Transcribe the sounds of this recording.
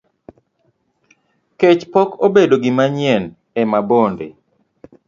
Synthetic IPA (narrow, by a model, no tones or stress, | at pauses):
ket͡ʃpɔkobedoɡɪmaɲɛn | ɛmabondḛ